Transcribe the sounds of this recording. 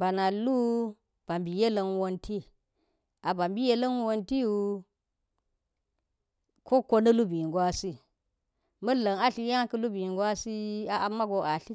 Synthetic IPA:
ba˨na˨lu˦ | b̥a˨mbi˨je˦lə˨nwo˦nti˦ | a˨ba˨mbi˦je˦lɐ˦n˦wo˦nti˦wu˦ | kʰo˦ko˦nɐ˦lu˦bi˨ŋ˨ɡwa˦si˦ | mɐ˦lə˨ŋa˦ɬi˦ja˦kə˦lu˦bi˨ɡwa˦si˦a˨ʔa˨mːa˦ɡo˨ʔa˨ɬi˦

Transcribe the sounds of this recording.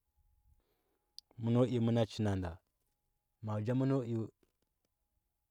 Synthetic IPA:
mu˦no˦ʔi˦mu˦na˦t͡ʃi˦na˨nda˨ | ma˨d͡ʒa˦mu˦no˦u˦

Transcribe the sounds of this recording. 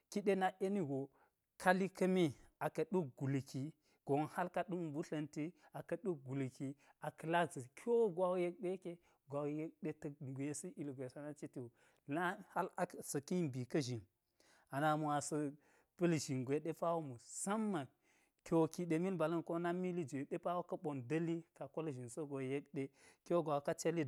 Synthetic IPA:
ki˦ɗe˦na˦ʔe˦ni˦ɡo˨ | kʰa˦li˦kɐ˦mi˦a˨kɐ˨ɗu˦k̚ɡu˨lki˨ | ɡ̥o˨nha˦lka˦ɗu˦m˨bu˦ɬɐ˨nti˦ | a˨kɐ˨ɗu˦k̚ɡu˨lki˨ | a˨kɐ˨la˦ɡzi˨kʰʲo˦ɡʷa˦wje˦k̚ɗe˦ke˦ | ɡʷa˨wje˦k̚ɗe˦tɐ˨ɡʷe˨si˦ʔi˨lɡʷe˨sa˨na˦t͡ʃi˦ti˦u˨ | na˦ha˦la˦sɐ˨ki˦mbi˨kɐ˦ʒi˨n | a˨na˨mu˨a˨sɐ˨ | pɨ˦lʒi˨nɡʷe˨˦ɗe˦pa˦wo˦mu˨sɐ˦mːa˨ | kʲo˨ki˨ɗe˨mi˦lba˨lɐ˦nko˦na˦mi˦li˦d͡ʒe˨ɗe˦pa˦wo˦kɐ˦ɓo˨ndɐ˦li˦ka˨ko˦lʒi˨nso˦ɡo˨je˦kɗe˦kʲo˦ɡʷa˨wka˦t͡ʃe˦li˦

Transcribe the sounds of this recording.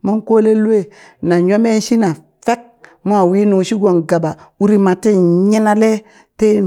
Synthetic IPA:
mo˦nko˦le˦lu˦e˦ | na˨ɲo˦me˦n˦ʃi˦na˨ | fe˦k̚mo˦a˨wi˦nu˨ʃi˦ɡo˨nɡa˨ba˨u˦ɾi˦ma˨te˦ɲe˦na˦le˦ | te˦

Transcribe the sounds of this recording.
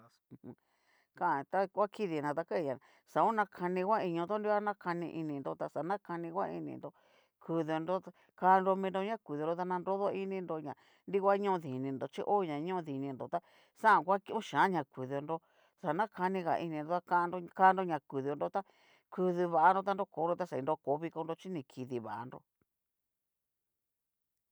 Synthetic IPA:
kã˦ʔt̪a˦kʷa˦ki˦ði˨nã˧t̪̬a˧ka˦˧ɲã˨ | sa˨o˦nã˧kʰa˧nĩ˧kʷa˦i˧ɲũ˧nd̪o˦ndi˦kʷa˦nã˦kʰa˧nĩ˧ʔi˧nĩ˧nd̪o˧t̪a˧sa˨nã˦ka˧nĩ˧kʷa̰˦ḭ˧nḭ̃˧nd̪o˧ | kʰu˧ðo˧nɾo˦a˧ | kaː˧˦˧nɾo˧mĩ˧ndo˧ɲã˦kʷu˨ðndo˧t̪a˧nã˧nɾo˦ðo˦i˦nĩ˧nd̪o˧ɲã˨ | ndi˦kʷa˦ɲũ˦˧ði˨nĩ˧nd̪o˨t͡ʃḭ˦ʔo˦˧ɲã˨ɲũ˦ũ˧ði˨nĩ˧nd̪o˨t̪a˦ | sa˦ã˧˨kʷa˦ki˦ʔũ˦ʃãː˨˦ɲã˨kʷu˨ðo˧ndo˧ | sa˨nã˦kʰa˧nĩ˧ɣa̰˨ʔi˧nĩ˧ndo˧t̪a˧ka˦˧no˧ka˦ndo˧ɲã˨ku˨ðɨ˧o˧ndo˧t̪a˦ | ku˧ðɨ˧βa˧˨a˧ndo˧t̪a˧nɾo˦ko˨˦ndo˧t̪a˧sa˧ĩ˧do˧ko˨˦βi˧ko˧ndo˧t͡ʃi˦nĩ˧kʰi˧ði˧βa̰˨ʔa̰˧nɾo̰˧

